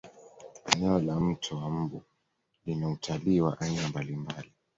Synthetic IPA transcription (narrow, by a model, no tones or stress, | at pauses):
ɛnɛɔlam̩tʰɔwam̩bu | linautʰaliwa̰ʔainambalimbali